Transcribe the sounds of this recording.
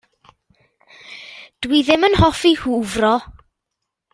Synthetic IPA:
d̥wiðɪmənhɔfihuːvrɔ

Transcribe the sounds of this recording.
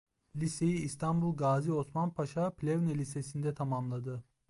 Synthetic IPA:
lʲise̞jiːst̪ʰanbulˠɡaːzio̞smanpʰaʃapʰlʲevnelʲisesind̪ɛt̪ʰamamlˠad̪ɯ

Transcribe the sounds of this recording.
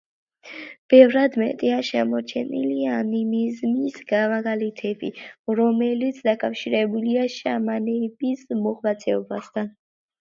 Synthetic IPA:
b̥ɛvɾad̪mɛ̰t̪ʼiaʃɛmɔt͡ʃʰɛ̰nḭlianimizmisɡamaɡalɛt̪ʰɛbḭɾɔmɛlit̪sʰd̪akʼafʃiɾɛbuliaʃamanɛbismɔʁvat̪sʰɛɔbast̪ʰan

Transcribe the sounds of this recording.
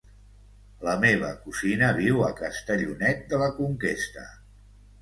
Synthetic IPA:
ləmeβ̞əkuzinəβiwəkəst̪əʎunɛt̪̚d̪ələkuŋkest̪ə̰

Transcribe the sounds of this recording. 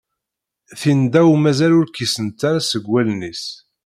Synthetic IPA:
θind̪æwmæzælʊɾkisənt̪aɾasəɡwælnis

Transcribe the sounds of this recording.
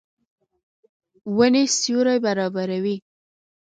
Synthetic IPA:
wənesjuɾajbaɾɑbaɾawi

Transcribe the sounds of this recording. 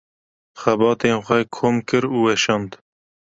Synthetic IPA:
xɛbɑːt̪eːnxʷɛkʰoːmkɨɾuːwɛʃɑːnd̪

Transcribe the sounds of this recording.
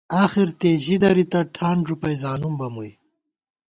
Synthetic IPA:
aːxiɾt̪eːʑid̪ɐɾit̪ɐʈʰaːɳʐupɐjzaːnumbɐmuj

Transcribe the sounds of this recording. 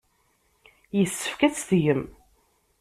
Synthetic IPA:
jəsːə̥fkæt͡sːθʝəm

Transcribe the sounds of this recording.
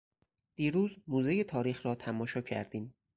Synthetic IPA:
d̪̥iːɾuːzmuːzejet̪ʰɒːɾiːxɾɒːt̪ʰæmɒːʃɒːcʰæ̰ɾd̪iːm

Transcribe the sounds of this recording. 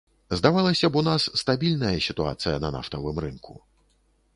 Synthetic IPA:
zd̪avalˠɐsʲɐbunasːt̪abʲilʲnɐjɐsʲit̪ua̰t̪sɨjɐnɐna̰ft̪ɐvɨmrɨnkʰu

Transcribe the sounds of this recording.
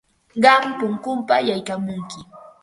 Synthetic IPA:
ɢɑmpʊŋkʊmpajajkamʊŋkɪ

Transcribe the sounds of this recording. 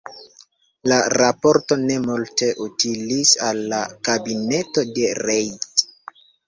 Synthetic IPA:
laɾapo̞ɾto̞ne̞multe̞ʔutilisalːakabine̞to̞de̞ɾejt

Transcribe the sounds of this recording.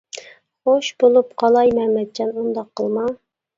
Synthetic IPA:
χoʃbolˠupqʰɑlˠɑjmɛmɛt̪̚t͡ʃʰɑnund̪ɑqʰːəlˠmɑ

